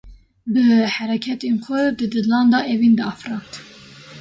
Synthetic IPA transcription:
bəhæɾɛkʲʰɛt̪enxʷɛd̪ɨd̪ɨd̪lɑːnd̪ɑʔevind̪ɨɑfɾɑnt̪

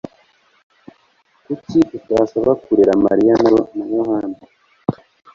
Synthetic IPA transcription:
kutiutasaβakuɾeɾama̰ɾijanonamoɦaːni

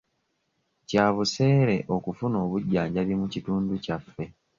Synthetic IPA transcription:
caːβuse̞ːɾe̞ʔo̞kufuno̞ːβuɟːaːɲɟaβimucituːnducafːe̞

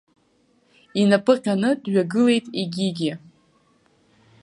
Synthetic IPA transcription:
inapʰʼɨqʲanɨdɥaɡɨle̞jtʼiɡʲiɡʲɪ

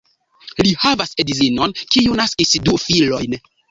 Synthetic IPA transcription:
lihavasedizinonkiunaskisdufilo̞jn

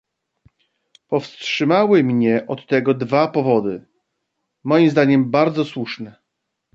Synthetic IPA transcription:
pɔfstʂɘmawɘmɲɛʔɔt̪ːɛɡɔd̪vapɔvɔd̪ɘ | mɔjimzd̪aɲɛmbaɾd̪zɔswuʂnɛ

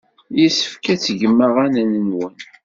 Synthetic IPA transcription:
jisə̥fkæt͡sːəʝəmːəʁænænənwən

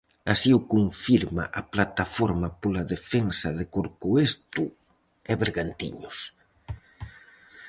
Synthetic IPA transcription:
asiʊkuɱfiɾma̰ʔaplat̪afoɾmɐpolaðefensɐðekoɾkuest̪ʊ | ɛβeɾɣant̪ḭɲʊs

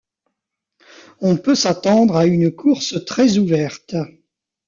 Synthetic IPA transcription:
ɔ̃pøsat̪ɑ̃d̪ʁaynkʰuʁsət̪χɛzuvɛʁt̪

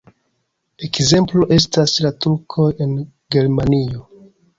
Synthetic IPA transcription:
e̞kze̞mplo̞ʔe̞s̬taslatuɾkʰo̞je̞n | ɡe̞ɾmanio̞

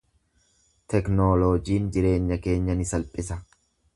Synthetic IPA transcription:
t̪ɛknoːlod͡ʒiːnd͡ʒɪɾe̞ːɲːɐke̞ːɲːɐnɪsɐlpʼɪsɐ

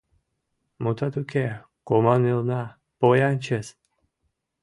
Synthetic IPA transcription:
mut̪ʰɑt̪ukʰʲe | komɑnɨlˠnɑ | pojanʲt͡ɕes

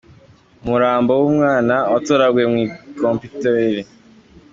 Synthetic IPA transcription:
muɾaːmbowumŋaːnaotoɾaɡwemŋwiːkomputeɾi

